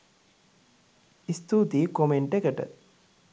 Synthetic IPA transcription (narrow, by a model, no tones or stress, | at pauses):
ist̪uːt̪ikomeɳʈekɐʈɐ̰